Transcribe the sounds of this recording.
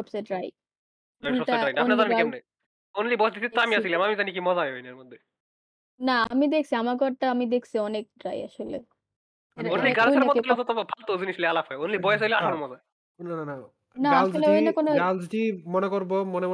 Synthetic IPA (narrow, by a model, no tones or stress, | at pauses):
ʃɔbseɖɾaj | anɔʈaɾajnaonazanakɛmne | onlibɔsd̪isʰit̪ːoamiasilamamizanikimɔzaeojnaɾmod̪ʱːe | naamid̪ek̚ʰt͡sʰiamakɔɾʈaamid̪ekʰsʰiɔnek̚ɖɾaja̰ʃolḛ | anonliɡaɾɾɔlɔt̪obʱalt̪ozinislealapʰɔeonlibɔjes̬jleaʃonmɔza | nnanana | naalʃoleojnakonoɡald͡ziʈimɔnekoɾbomɔnem